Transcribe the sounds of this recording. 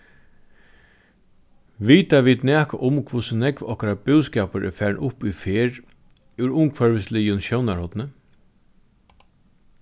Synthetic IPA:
ʋiːt̪aʋiːd̪næːka̰ʔʊmkʰʊsənɛkʋɔhkaɾabʉːskɛːpəɾʔɛ̰ːɹfæːɹɳʔʊpʏfeːɹ | ʉɾʊmkʰvœɹʋɪsliːʊnɕɔwnaɹhɔt̪nə

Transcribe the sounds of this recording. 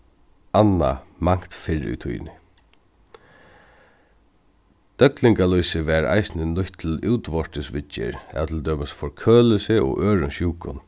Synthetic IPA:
anːa̰maŋ̥t̪fɪɹṵt̪ʰṵj̰nɪ | d̪̥œklɪŋkalujsɪʋɛɾa̰jsnɪlʊçt̪ʰːɪluːwt̪ʋɔʂt̪ɪsʋɪt͡ʃːɪ̰ɾɛ̰ðt̪ʰɪld̪œːpasfɔɹkʰøːlɪsɪɔ̰ʔøːɹʊnʃjuːkʊn

